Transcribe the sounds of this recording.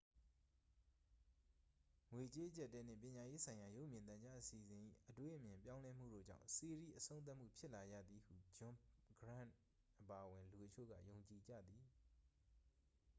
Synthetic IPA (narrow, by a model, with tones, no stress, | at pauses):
ŋwe˨t͡ɕe˦ʔət͡ɕa˦˨tːɛ˦n̥ɪ̰̃˦˨pjɪ̃˨ɲa˨je˦sʰã˨ɪ̃ja˨jo˦ʔmjɪ̃˨nt̪ã˨ɲd͡ʑa˦ʔəsi˨əzɪ̃˨ʔḭ˦˨ʔətwḛ˦ʔəmjɪ̃˨mpjã˦ʊ̃lɛ˦m̥ṵ˦˨do̰˦˨d͡ʑã̰˦˨ʊ̃se˨ɾḭ˦˨ʔəsõ˦n̬a˦ʔm̥ṵ˦˨pʰjɪ˦ʔla˨d͡ʑä̰˦˨d̪i˨hṵ˦˨d͡ʑʊ̃˨ɡɹã̰˦˨ | ʔəpa˨ʔəwɪ̃˨lu˨ʔət͡ɕʰo̰˦˨ɡä̰˦˨jo˨ʊ̃ɲt͡ɕi˨d͡ʑä̰˦˨d̪i˨